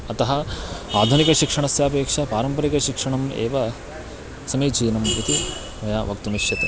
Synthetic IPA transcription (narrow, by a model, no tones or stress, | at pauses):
ɐt̪ɐɦɐaːd̪ʱunikɐʃikʂɐɳɐsjaːpeːkʂɐpaːɾɐmpɐɾikɐʃikʂɐɳɐmḛːʋɐ | sɐmiːt͡ʃiːnɐmpɾɐt̪i | mɐjaːʋɐk̚t̪umiʃjɐt̪e